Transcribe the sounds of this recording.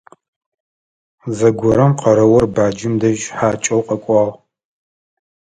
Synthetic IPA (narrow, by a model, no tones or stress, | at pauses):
zɐɡʷɔɾɐmqʰɐɾɐwɐrbaːd͡ʒɪmdɐʒħaːt͡ʃʼɐwqɐkʷʼɑːʁ